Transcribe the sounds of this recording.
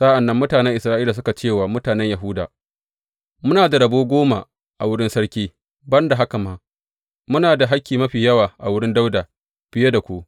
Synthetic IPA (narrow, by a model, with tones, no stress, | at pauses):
sa˦ʔa˨nːɐ˦mːʊ˦taː˨nɛ˦ŋʔɪ˨sɾaː˦ʔiː˦laː˨s̬ʊ˦ka˨t͡ʃeː˦˨waː˨mʊ˦taː˨nɛ˦ɲjɐ˨ɦʊ˦daː˨ | mʊ˦naː˨da˨ɽɐ˨boː˦ɡʷoː˦ma̰˨ | ʔa˨wʊ˦ɽɪ˦nsɐ˦ɽkʲiː˦ | bɐ˦nda˨ɦa˦ka˨maː˦ | mʊ˦naː˨da˨ɦa˦kʲːiː˨mɐ˦ɸiː˨jɐ˦waː˨ʔa˨wʊ˦ɽɪ˦nda˦wdaː˨ | ɸɪ˨je˦da˨kʷuː˦